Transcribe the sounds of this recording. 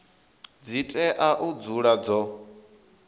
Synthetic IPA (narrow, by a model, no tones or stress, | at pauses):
d͡zitʼɛʔaʔud͡zuɺad͡zɔ